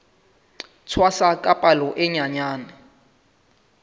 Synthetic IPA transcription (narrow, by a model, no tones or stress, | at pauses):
t͡sʰwasakʼapʼalɔʔɪɲaɲaːnɛ